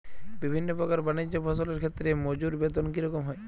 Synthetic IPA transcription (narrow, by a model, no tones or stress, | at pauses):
bibʱinːopɔkaɾbanid͡ʑjobʰɔsɔleɾkʰet̪ːɾemod͡ʑuɾbet̪ɔnkiɾɔkɔmɦɔe